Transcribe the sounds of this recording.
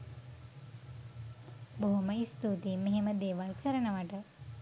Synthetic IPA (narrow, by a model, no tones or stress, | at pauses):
boɦoməist̪ut̪imeɦeməd̪eːʋalkʰəɾənəʋaʈə